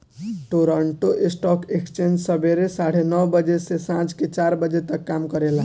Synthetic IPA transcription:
ʈoɾəɳʈoʔesʈɔkekst͡ʃend͡ʒsəbeɾesaɽ̤enʌwbəd͡ʒesesãt͡ʃket͡ʃaɾbəd͡ʒet̪əkːamkəɾela

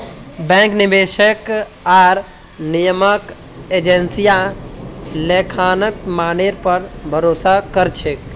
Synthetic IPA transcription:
bɛ̃ŋknibeʃək | aɾ | nijəmək | ed͡ʒensija | lekʰaːnəkmaːneɾpəɾbʱəɾoːsakəɾt͡ʃʰek

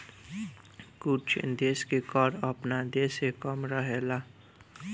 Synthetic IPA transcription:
kut͡ʃʰd̪eːskekɔɾəpnad̪eːsekəmɾəɦela

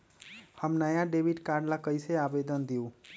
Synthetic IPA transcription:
həmnəjãɖeʋiʈkaɾɖlakəjseabed̪ənd̪ijũ

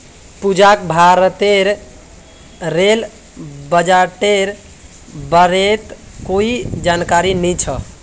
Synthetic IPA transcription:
pud͡ʒakbʱaɾt̪eɾ | ɾel | bəd͡ʒaʈeɾ | bəɾet̪ | koid͡ʒankaɾinit͡ʃʰə

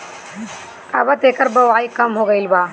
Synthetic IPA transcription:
ɐbɐt̪eːkɐɾbɐʋaːikɐmɦoːɡɐilbaː

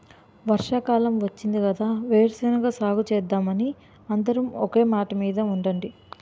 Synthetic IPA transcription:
ʋɐɾʂaːkaːlɐmʋɐt͡ʃːind̪ikɐd̪aːʋeːɾɐsɐnɐɡaːsaːɡut͡ʃɛːd̪ːaːmɐni | ɐnd̪ɐɾɐmɔke̞ːmaːʈɐmiːd̪ɐuɳɖɐɳɖi

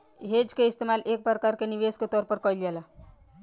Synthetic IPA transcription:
ɦed͡ʒkeist̪emalek̚pɾəkaɾkeniʋesket̪ɔɾpəɾkəjljɛla

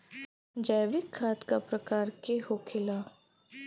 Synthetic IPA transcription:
d͡ʒajʋɪkʰːaːt̪kapɾɐkaːɾkehokʰɪlaː

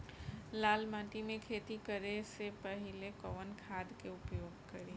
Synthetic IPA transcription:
lalmãʈimẽkʰet̪ikəɾesepəɦilekɔʋənkʰad̪keupjoːɡkəɾe

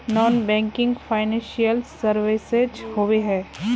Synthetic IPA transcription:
nɔːnbɛ̃ːŋkɪ̃ŋɡfaːɪnɛ̃ʃijəlsɐɾʋɪsed͡ʒhoːʋeɦɛː

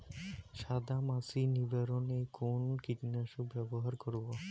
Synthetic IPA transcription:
ʃad̪amasinibeɾonejkʰonkiʈnaʃubɛboɦaɾkoɾbo

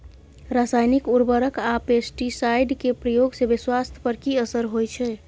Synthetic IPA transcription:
ɾasajnikuɾbəɾəkapesʈisajɖkepɾəjoɡsebiswast̪ʰjə̥pəɾkiəsəɾɦojt͡ʃʰɛ

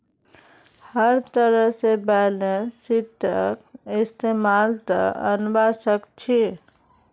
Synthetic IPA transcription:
həɾt̪əɾəɦsebɛləsit̪ːəkɪst̪emaːlt̪ə̰ə̰nbʱasəkt͡ʃʰi

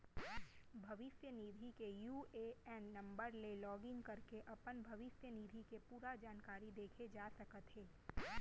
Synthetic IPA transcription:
bʱɐʋɪsjəniːd̪ʱikejuːeɛnːɐ̃mbəɾlelɔːɡɪ̃ŋɡkɐɾkeʔɐpənbʱɐʋɪsjəniːd̪ʱikepuːɾad͡ʒaːnkaːɾid̪eːkʰed͡ʒaːsɐkət̪ɦeː

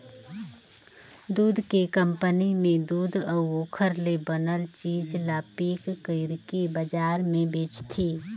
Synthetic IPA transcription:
d̪uːd̪ʱkekə̃mpənimẽd̪uːd̪ʱəoːkʰəɾlebənəlt͡ʃiːd͡ʒlaːpiːkːəɪɾkibəd͡ʒaːɾmẽbeːt͡ʃt̪ʰiː

